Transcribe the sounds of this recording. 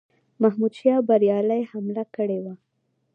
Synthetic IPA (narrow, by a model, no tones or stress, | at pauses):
mahmud̪ʃjɑbaɾjɑlajhamlakəɽewa